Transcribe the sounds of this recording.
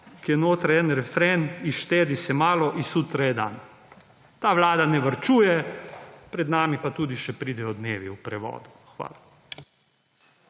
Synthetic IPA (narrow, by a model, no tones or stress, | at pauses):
kijɛnoːt̪ɾaɛnɾɛfɾeniʃt̪eːd̪isɛmaːlɔʔisuːt̪ɾajɛd̪a̰ːn | t̪aːʋlaːd̪anɛʋəɾt͡ʃuːjɛ | pɾɛd̪naːmipat̪uːd̪iʃɛpɾiːd̪ɛjɔd̪neːʋiupɾɛʋɔ̰ːd̪u | xʋa̰ːla